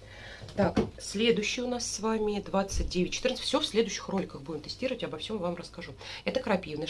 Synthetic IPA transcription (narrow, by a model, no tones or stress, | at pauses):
t̪aksʲlʲe̞d̪ʊɕːɪjʊnasːvamʲɪd̪vat̪sɨt̚ʲdʲevʲɪtʲt͡ɕːɪ̥t̪ɨrnə̥fʲsʲofsʲlʲe̞d̪ʊjɕːɪ̥xro̞lʲɪkəxbudʲɪmt̪ɨsʲtʲiɾəvətʲabɐfsʲo̞mvamrəskɐʐuɛt̪əkəɾɐpʲivnə